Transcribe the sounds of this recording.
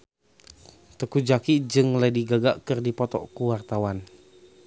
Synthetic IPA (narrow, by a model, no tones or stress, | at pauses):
t̪əkud͡ʒakid͡ʒɨŋladiɡaɡa̰ʔkɨrdipɔt̪ɔ̰ʔkuwart̪awan